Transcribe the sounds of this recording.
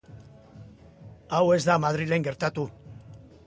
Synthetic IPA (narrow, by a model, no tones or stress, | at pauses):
awe̞zd̪amað̞ɾile̞ŋɡe̞ɾt̪at̪u